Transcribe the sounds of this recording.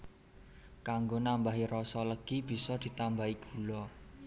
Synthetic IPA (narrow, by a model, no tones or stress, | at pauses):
kaŋɡonambaɦiɾɔsɔləɡ̥ib̥i̤sɔd̪̥i̤t̪ambaiɡ̥ṳlɔ